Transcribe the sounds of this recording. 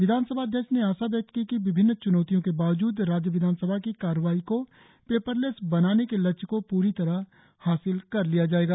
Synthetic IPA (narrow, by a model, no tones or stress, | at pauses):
ʋɪd̪ʱaːnsəbʱaəd̪ʱjəkʃneaːʃabjɐk̚t̪̚kikiʋɪbʱɪnːt͡ʃʊnɔːt̪ijõkebaːʋd͡ʒuːd̪ɾaːd͡ʒjəʋɪd̪ʱaːnsəbʱakikaːɾʋaːiko | peːpəɾlesbɐnaːnekelɐt͡ʃkopuːɾit̪ɐɾa | haːsɪlkɐɾlijad͡ʒaːeːɡaː